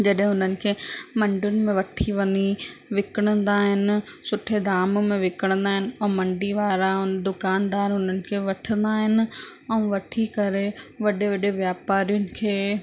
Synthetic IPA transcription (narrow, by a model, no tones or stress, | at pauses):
d͡ʑɐɗɦɪ̃ɦʊnənɪ̆kʰeːmɐ̃ɳɖjʊnɪ̆mẽʋɐʈʰiʋɐniʋɪkəɽ̃ə̃nd̪aːɦɪnɪ̆sʊʈʰed̪aːmmẽʋɪkəɽ̃nd̪aːɦɪnɪ̆ɛ̃ːmɐ̃ɳɖiʋaːɾaʊd̪ʊkaːnd̪aːɾɦʊnənɪ̆kʰeːʋɐʈʰə̃nd̪aːɦɪnɪ̆ɛ̃ːʋɐʈʰikɐɾeʋɐɗeʋɐɗeʋjaːpaːɾijʊnɪ̆kʰeː